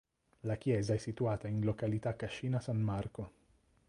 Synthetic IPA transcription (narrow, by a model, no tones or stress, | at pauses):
lak̟jɛːzaɛsːit̪uaːt̪ainlokalit̪akːaʃːiːnasanːarko